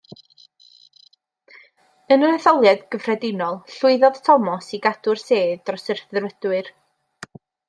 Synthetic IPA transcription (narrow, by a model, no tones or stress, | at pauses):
ənəɾɛθɔlˠjɛdɡ̥əvrɛdɪnɔlˠɬʊɨðɔð̥tʰɔmɔsiɡad̥ʊrseːdɔsɪrθrvəd̥wɨr